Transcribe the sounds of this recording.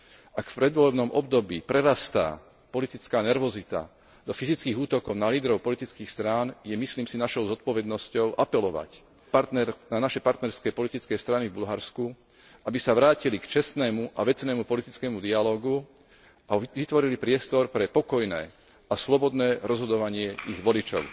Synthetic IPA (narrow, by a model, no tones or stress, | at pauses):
ʔakfpɾɛd̪ʋɔlɛbnɔmʔɔbd̪ɔbiːpɾɛɾast̪a̰ː | pɔlit̪it͡skaːnɛɾʋɔzit̪a̰ | d̪ɔfizit͡skiːɣuːt̪ɔkɔʊnaliːd̪ɾɔʊpɔlit̪it͡skiːxst̪ɾaːnjɛmisliːmsinaʃɔʊzɔt̪̚pɔʋɛd̪nɔscɔʊʔapɛlɔʋa̰c | paɾt̪nɛɾnanaʃɛpaɾt̪nɛɾskɛːpɔlit̪it͡skɛːst̪ɾanivbulɦaɾsku | ʔabisaʋɾaːcilikt͡ʃɛst̪nɛːmuʔaʋɛt͡snɛːmupɔlit̪it͡skɛːmud̪ialɔːɡu | ʔaʋit̪ʋɔɾilipɾɪɛst̪ɔɾpɾɛpɔkɔjnɛ̰ː | aslɔbɔd̪nɛːɾɔzɦɔd̪ɔʋaɲɪɛʔiɣʋɔlit͡ʃɔ̰ʊ